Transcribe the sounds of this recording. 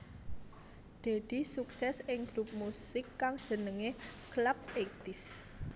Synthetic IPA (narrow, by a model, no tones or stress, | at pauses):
d̪̥e̤d̪̥i̤suksɛsɪŋɡ̥ɾup̚musɪkːaŋd̥ʒ̥ə̤nəŋeklap̚et̪ɪs